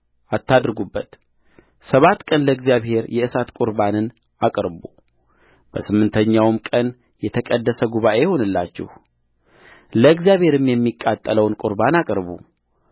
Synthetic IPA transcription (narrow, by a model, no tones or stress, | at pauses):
at̪ːad̪ɾɡubːət̪ | səβat̪ːkʼənləɨɡzijaβhe̞ɾjɛɨsat̪kʼʊɾbanɨn | akʼɾbu | b̥əsɨmːɨnt̪ʰəɲːawmkʼən | jɛt̪ʰəkʼəd̪ːəsəɡuβaʔe̞jho̞nɨlːat͡ʃːɪ̰h | ləɨɡzjaβhe̞ɾɨmjɛmːikʼat̪ʼːələwnkʼʊɾbanakʼɾβṵ